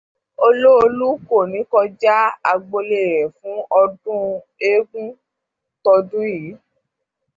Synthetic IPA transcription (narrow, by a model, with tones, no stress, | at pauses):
o˧lo˦o˧lu˦ko˦˨nĩ˨˦kɔ˧d͡ʒa˦a˧ɡ͡bo˧le˨ɾɛ˨fũ˨˦ɔ˧dũ˦ | e˦ɡũ˦ | tɔ˧dũ˦jiː˨˦